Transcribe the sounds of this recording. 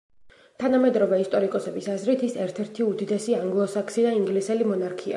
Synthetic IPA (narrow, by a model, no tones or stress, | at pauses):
t̪ʰanamɛd̪ɾɔvɛist̪ʼɔɾikʼɔsɛbisazɾit̪ʰisɛɾt̪ʰɛɾt̪ʰiud̪id̪ɛsiaŋɡlˠɔsakʰsid̪aiŋɡlisɛlimɔnaɾkʰia̰